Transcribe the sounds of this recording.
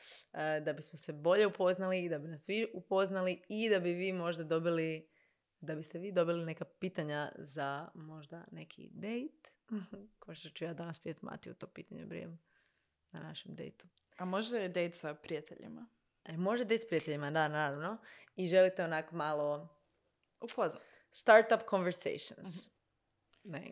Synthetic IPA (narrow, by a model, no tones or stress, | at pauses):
əd̪abismose̞bo̞ʎe̞upo̞znaliːd̪abinasʋiupo̞znaliid̪abiʋiːmo̞ʒd̪ad̪o̞bili | d̪abist̪eʋiːd̪o̞biline̞kapiːt̪aɲazamo̞ʒd̪ane̞kʰḭd̪e̞jt̪ | koot̪ot͡ʃujaːd̪anaspiet̪ma̰t̪iṵt̪o̞ːpḭːt̪aɲḛbɾḭem | nanaʃemd̪ḛjt̪u̥ | amoʒd̪ajed̪ejt̪sapɾijat̪eʎḭma | emo̞ʒd̪ad̪ejt̪spɾijat̪eʎimad̪anaːɾaʋno̞iʒelit̪eonakomalˠo̞ | upozna | st̪aɾt̪apkonʋeɾsḛjʃo̰ns | nḛ